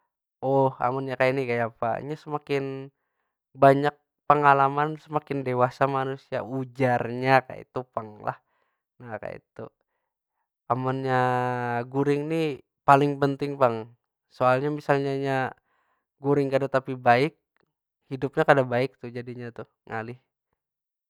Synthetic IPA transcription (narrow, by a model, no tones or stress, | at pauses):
ɔha̰manɲakajanikajapa̰ḭɲasəmakɪn | baɲak̚ | pəŋalamansəmakɪndewasamanusia̰ud͡ʒarɲaka̰ḭt̪upaŋla̰h | naka̰ḭt̪ṵ | amanɲaɡuɾɪŋni | palɪŋpənt̪ɪŋpaŋ | soalɲamisalɲaɲa | ɡuɾɪŋkadat̪apibaɪk̚ | hidup̚ɲakadabaɪk̚t̪ʊd͡ʒadiɲat̪ʊ | ŋalɪh